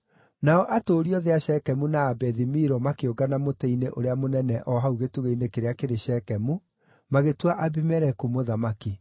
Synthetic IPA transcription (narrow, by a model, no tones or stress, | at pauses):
naɔʔatoːɾiɔðeaʃɛkɛmunaːbɛðimiɾɔmakeoɡanamotɛineʔoɾeamonɛnɛʔɔɦauɣetuɣeinekeɾeakeɾeʃɛkɛmu | maɣetwaʔabimɛɾɛkumoðamaki